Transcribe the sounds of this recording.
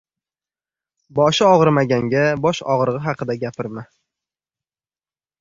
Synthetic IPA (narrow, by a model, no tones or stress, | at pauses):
bɒʃɪɒʁɨɾmaɡʲaŋɡʲabɒʃɒ̰ʁɾʁɨɦɑqʰɨd̪aɡʲapʰɪɾmɪ